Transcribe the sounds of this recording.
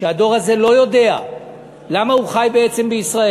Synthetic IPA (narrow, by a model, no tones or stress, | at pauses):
ead̪o̞ʁaze̞lo̞jo̞de̞a | lamauχajbeet͡se̞mbeisʁae